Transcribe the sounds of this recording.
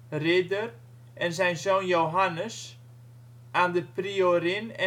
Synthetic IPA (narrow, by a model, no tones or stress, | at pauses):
rɪdər | ʔɛnzɛjnzonjowɦanəs | ʔaːndəprioɾɪnɛ